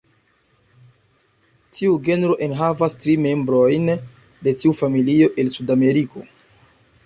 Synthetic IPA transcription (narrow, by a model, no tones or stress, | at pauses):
tʰiuɡe̞nɾo̞ʔenɦavastɾime̞mbɾo̞jn | de̞tiufamilio̞ʔe̞lsudame̞ɾiko̞̰